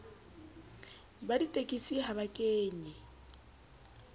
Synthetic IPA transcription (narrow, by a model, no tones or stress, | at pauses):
baditʼekʼisiɦaβakʼeːɲɛ